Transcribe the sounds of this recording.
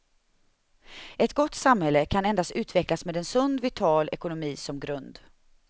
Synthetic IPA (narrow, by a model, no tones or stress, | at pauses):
ʔɛt̪ɡɔt̪ːsamhɛlːəkʰanɛnd̪ast̪ʉ̟ːt̪vɛklasmeːd̪ɛnsɵnd̪vɪt̪ʰɑːlɛkʊnʊmiːsɔmɡɾɵnd̪